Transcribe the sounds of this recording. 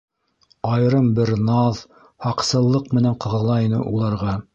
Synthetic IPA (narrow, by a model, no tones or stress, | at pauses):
ɑj̆ɾɤmbɘɾnɑð | hɑqsɤ̆lˠːɤqmɘ̆næɴqɤ̆ʁɤ̆lˠɑinɘ̰ʔulˠɑɾʁɑ